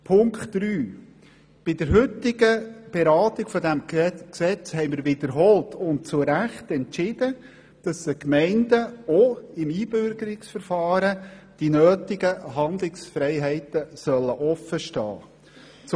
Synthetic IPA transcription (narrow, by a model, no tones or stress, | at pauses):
pʰʊŋkχtːɾyː | b̥ɪd̥əɾɦʏt̪ːɪɡ̥əb̥ɛɾɑːtɪɡ̥fɔd̪æmksɛt͡shɛɪmɪːɾʋɪd̥̪əɾɦɔltʰʊnt̚t͡sʊɾæχtɛnt͡ʃɪd̥ə | d̥ɑsəkmɛɪndəoɪmiːb̥ʏɾɡəɾɪksfəɾfɑːɾəd̥inøːtɪɡəɦɑnd̪lɪksfɾɛɪɦɛɪtəsœlːəʔɔfəʃtɑ̰ː | t͡s